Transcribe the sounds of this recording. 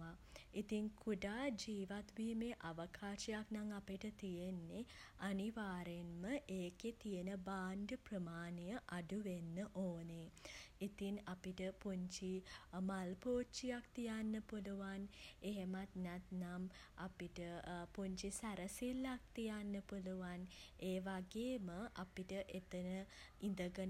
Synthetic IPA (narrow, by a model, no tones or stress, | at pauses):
ait̪iŋkʰuɖaːd͡ʒiːʋat̪ʋiːmeʔaʋəkʰaːʃijaknaŋapiʈət̪ijenːeaniʋaːɾenməʔeːket̪ijenəbaːɳɖəprəmaːnijəʔaɖuʋenːəʔoːneit̪iŋapiʈəpuɲt͡ʃimalpoːt͡ʃijakt̪ijanːəpuluʋaneɦemat̪nat̪nam | apiʈəpuɲt͡ʃisæɾəsilːak̚t̪ijanːəpuluʋaneːʋaɡeːməʔapiʈəʔet̪ənəind̪əɡən